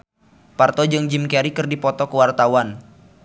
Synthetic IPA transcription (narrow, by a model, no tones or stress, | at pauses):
part̪ɔd͡ʒɨŋd͡ʒimkɛɾikɨrdipɔt̪ɔkəwart̪awan